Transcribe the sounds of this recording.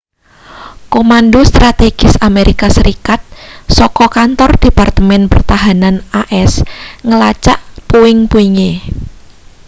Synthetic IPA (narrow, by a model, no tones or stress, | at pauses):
komandost̪ɾat̪eɡ̥ɪsameɾikasəɾikat̪̚sɔkɔkant̪ɔrd̪̥e̤part̪əmɛnpərt̪aɦananaʔɛsŋəlat͡ʃaʔpoɪŋpoiŋe